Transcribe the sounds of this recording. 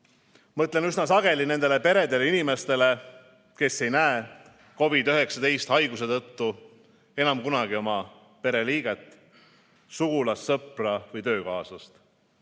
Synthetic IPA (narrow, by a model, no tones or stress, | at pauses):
mɤt̪ˑle̞nysnɑsɑɡ̥e̞line̞nd̪̥e̞le̞pe̞ɾe̞d̪e̞leinime̞st̪e̞le̞ | ke̞sːe̞jnæe | ko̞vid̪yɦe̞ksɑt̪e̞jst̪hɑjɡ̥use̞t̪ɤt̪ːu | e̞nɑmkunɑɡ̥io̞mɑ | pe̞ɾe̞liːɡ̥et̪ːˑ | suɡulɑsːɤprɑvɤjt̪ø̞ːkɑːsɑst̪